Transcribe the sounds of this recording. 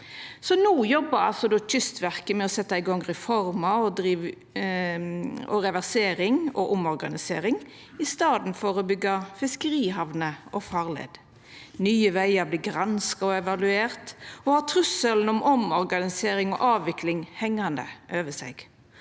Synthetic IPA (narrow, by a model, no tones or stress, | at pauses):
sɔnuːjɔbːəɾɑ̰lsɔd̪oːçʏst̪ʋæʁkəmɛɔsɛt̪ːɑɪɡɔŋʁɛfɔɾmɑɔd̪ɾiː | ɔɾɛʋæʁseːɾɪŋɔʔʊmɔɾɡɑnɪsḛːɾɪŋ | ɪst̪ɑːd̪n̩fɔɾɔbʏɡːɑfɪskəɾiːɦɑʋnəɔfɑːʁlḛːd̪ | nyːəʋæɪɑɾbliːɡʁɑnskɑɔɛʋɑlʉeːɾt̪ɔhɑːt̪ʰɾʉsəln̩ɔmɔmɔɾɡɑnɪseːɾɪŋɔ̰ʔɑːʋʋɪkʰlɪŋhɛŋːɑnd̪ə̰ʔøːʋəsɛ̰ɡ̥